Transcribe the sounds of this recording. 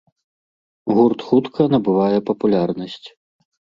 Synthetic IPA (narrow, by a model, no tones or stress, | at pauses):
ɣurt̪xut̪kʰɐnɐbɨvajɛpɐpulʲarnɐsʲt͡sʲ